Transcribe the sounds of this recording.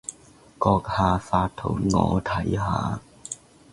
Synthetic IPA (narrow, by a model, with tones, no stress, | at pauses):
kɔː˧k̚haː˨˧faː˧t̚t̪ʰʊ˨˩wŋɔ̰ː˨˧t̪ʰɐ˨˥jha̰ː˨˧